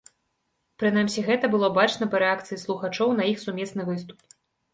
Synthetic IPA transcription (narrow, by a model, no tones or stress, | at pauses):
pɾɨnamsʲiɣɛt̪ɐbɨlˠɔbat͡ʂnɐpɐɾɛak̚t̪sɨjislˠuxat͡ʂɔwn̪ɐixsumʲɛsnɨvɨst̪u̥p